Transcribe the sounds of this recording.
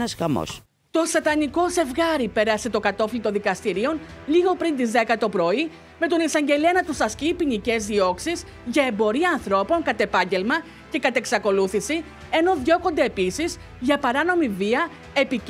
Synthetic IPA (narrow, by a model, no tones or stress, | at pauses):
nɐsɣɐmo̰s | t̪o̞sɐt̪ɐniko̞se̞vɣɐɾipe̞ɾɐse̞t̪o̞kɐt̪o̞flit̪o̞nðikɐst̪iɾio̞nliɣo̞pɾint̪izðe̞kɐt̪o̞pɾo̞i | me̞t̪o̞nisɐɲɟe̞liɐnɐt̪usɐscipinice̞zðio̞ksiz | ʝɐembo̞ɾiɐːnθɾo̞po̞ŋkɐt̪e̞pɐɲɟe̞lmɐ | ce̞kɐt̪e̞ksɐko̞luθisi | e̞no̞ðʝo̞ko̞nd̪e̞ːpisiz | ʝɐpɐɾɐno̞miviɐ | e̞pi